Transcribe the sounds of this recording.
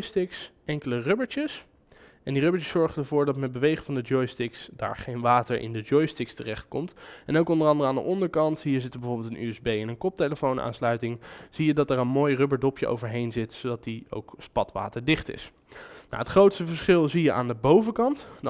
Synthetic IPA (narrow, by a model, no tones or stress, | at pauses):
jstɪks | ɛŋkələrøbəɹt͡ʃəs | ɛndirɵbət͡ʃəsːɔɹχəndəɹvʊːɹdɑtmɛd̚bəʋejχəvɑndəd͡ʒɔjstɪksda̰ːɹχejnʋaːtəɹʔɪ̰ndəd͡ʒɔjstɪkstərɛχt̚kɔmtɛnowkɔndəɹɑndərəaːndə̰ʔɔndəɹkɑntɦiːɹzɪtəbəvoːɹbɪlˠtənʔy̰ɛzbejɛnənkɔp̚teləfownʔa̰ːnslœɥtɪŋz̥ijədɑtɛɹənmoːjrɵbəɹdɔpjəʔo̰wvəɹɦejnzɪtsodɑt̚dio̰wkspɑtʋa̰ːtəɹdɪχtɪ̰s | na̰ətχrowtstəvəɹsχɪlˠzijəʔa̰ːndəbowvəkɑntn